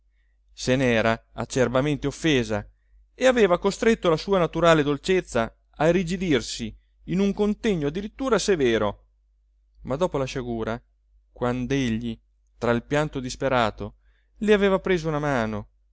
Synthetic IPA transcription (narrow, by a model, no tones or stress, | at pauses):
senɛːɾaa̰t͡ʃːerbament̪eofːeːza | eaveːvakost̪ɾet̪ːolasuːanat̪uɾaːled̪olt͡ʃet̪sːa | arid͡ʒid̪irsiː | nuŋkont̪eɲːoad̪ːiɾit̪ːuːɾasevɛːɾo | mad̪ɔːpolaʃaɡuːɾa | kwand̪eʎːi | t̪ɾailpjant̪od̪ispeɾaːt̪o | leaveːvapɾeːzounamaːno